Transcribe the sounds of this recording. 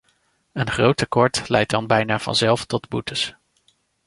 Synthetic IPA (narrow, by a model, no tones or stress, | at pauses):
ənχrowtəkɔɹtlɛjt̚dɑnbɛjnaːvɑ̰nzɛlˠftɔdbutəs